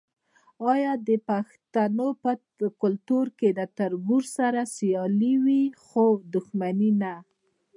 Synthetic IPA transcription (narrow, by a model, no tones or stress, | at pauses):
ɑjɑd̪əpaxt̪anopə | kʊlt̪uɾked̪ət̪aɾbuɾsaɾasijɑliwixod̪ʊxmanina